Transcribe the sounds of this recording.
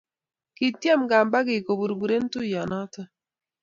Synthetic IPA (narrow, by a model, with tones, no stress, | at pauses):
ki˨tja˦mɡa˨mba˦ɡɪ˨ko˨bu˨ɾbu˨ɾe˦n˦tu˦ja˨nɔ˦tɔ˦